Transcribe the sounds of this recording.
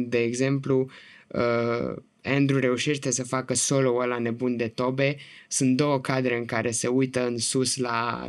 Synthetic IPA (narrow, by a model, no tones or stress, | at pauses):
d̪e̞ːɡze̞mpluə | end̪ɾuɾe̞uʃeʃt̪e̞səfakəso̞loəlane̞bund̪e̞t̪o̞be̞ | sunt̪̚d̪o̞wəkad̪ɾe̞ɨŋkaɾʔe̞se̞ujt̪əɨnsusla̰